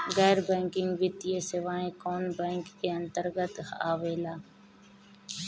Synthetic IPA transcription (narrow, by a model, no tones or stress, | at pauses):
ɣɛːɾbɛ̃ːŋkɪŋɡʋɪt̪ijeːseʋaːẽːkoːnbɛ̃ːŋkeːənt̪əɾɡət̪ha̰ːʋeːlaː